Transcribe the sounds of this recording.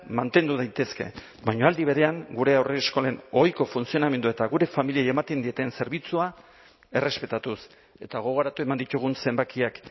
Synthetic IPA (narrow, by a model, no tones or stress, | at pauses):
mant̪e̞nd̪uðajt̪e̞ske̞̰ | bajɲo̞ald̪iβ̞e̞ɾe̞aŋɡuɾe̞awresko̞le̞no̞jko̞funt͡sio̞name̞nd̪ue̞t̪aɣuɾe̞familiaje̞mat̪e̞nd̪ie̞t̪e̞nse̞ɾβ̞it͡sua | e̞re̞spe̞t̪at̪us | e̞t̪aɣ̞o̞ɣ̞o̞ɾat̪ue̞mand̪it̪uɣ̞unse̞mbakiak